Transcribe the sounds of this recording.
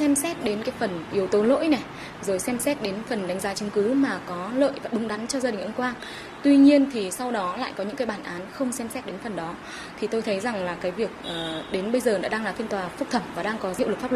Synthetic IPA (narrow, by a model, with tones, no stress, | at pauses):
sɛ˧msɛ˦˥t̚ɗe˨˦nkaː˨˦jfə˨˩nʔi˨˦əwt̪o˨˦lo̰˧˥jnɛ˨˩ | zo˨˩jsɛ˧msɛ˦˥t̚ɗe˨˦nfə˨˩nɗa˨˦ŋ̟zaː˨˦t͡ɕɨ˨˦ŋ͡mkɨ˨˦maː˨˩kɔ˨˦lə̰ː˧˨jvaː˨˩ɗʊ˨˩ŋ͡mɗa˨˦jŋt͡ɕɔ˧zaː˧ɗï˨˩ŋʔŋ͡mkwaː˧ŋ | t̪wi˧ɲi˧ənt̪ʰi˨˩sa˧wɗɔ˨˦la̰ː˧˨jkɔ˨˦ɲɨ̰˧˥ŋkaː˨˦jɓaː˧˩nʔaː˨˦nxə˧wŋ͡msɛ˧msɛ˦˥t̚ɗe˨˦nfə˨˩nɗɔ˨˦ | t̪ʰi˨˩t̪o˧jt̪ʰə˨˦jza˨˩ŋlaː˨˩kaː˨˦jvi˨˩ək̚ʔəː˨˩ɗe˨˦nɓə˧jzəː˨˩na̰ː˧˥ɗaː˧ŋlaː˨˩fi˧ənt̪waː˨˩fɨ˦˥k̚t̪ʰə˨˧˩mvaː˨˩ɗaː˧ŋkɔ˨˦ḭ˧˨wlɨ˨˩k̚faː˦˥p̚wə˨˩